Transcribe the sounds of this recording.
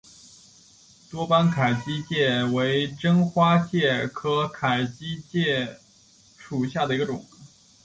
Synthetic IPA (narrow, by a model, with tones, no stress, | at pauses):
t̪wɔ˥pa˥nkʰa˨˩ɪt͡ɕi˥t͡ɕjɛ˥˩we˧˥ɪʈ͡ʂɤ˥ŋxwa˥t͡ɕjɛ˥˩kʰɤ˧˥kʰa˨˩ɪt͡ɕi˥t͡ɕjɛ˥˩ | ʂu˨˩ɕja˥˩d̪ə˩i˧˥ɡə˧ʈ͡ʂʊ˨˩˦ŋ